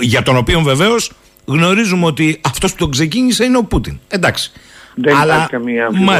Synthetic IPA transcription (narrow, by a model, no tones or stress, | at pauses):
ʝɐt̪o̞no̞pio̞ɱve̞ve̞o̞s | ɣno̞ɾizumeo̞t̪iɐft̪o̞spu̥t̪o̞kse̞ciɲise̞ineo̞put̪inend̪ɐksi̥ðenɐlɐɾkɐmiɐmɐ